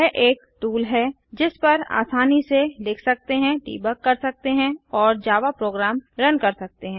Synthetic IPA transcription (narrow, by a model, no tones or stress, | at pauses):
ɛʔeːkʈuːlɦɛː | d͡ʒɪspɐɾa̰ːsaːniselɪkʰsɐk̚t̪eɦɛ̃ʈḭːbəkːɐɾsɐk̚t̪eɦɛ̃ɔːɾd͡ʒaːʋapɾoːɡɾaːmɾɐnkɐɾsɐk̚t̪eɦɛ̃